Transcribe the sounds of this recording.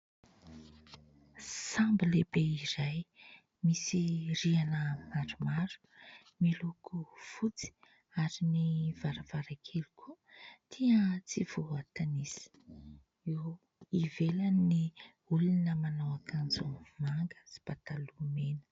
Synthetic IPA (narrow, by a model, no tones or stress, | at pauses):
sambilebeiɾaj | misirianəmaɾumaɾu̥ | milukʰufut͡si̥ | aɾinivaɾav̥aɾakʰelukʰu | t̪ʰiət͡siv̥oat̪anisi̥ | iw | ivelanni | ulunəmanawakʰand͡zumaŋɡə̥si̥b̥at̪alumenə̥